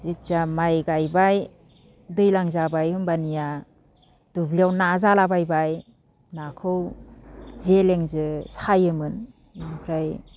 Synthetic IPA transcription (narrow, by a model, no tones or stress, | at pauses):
zitsamajɡajbaj | dɯjlaŋzabajɯmbanija | d̥ubliawnazalabajbaj | nakʰɯw | zeleŋzɯsajɯmɯn | impʰɾaj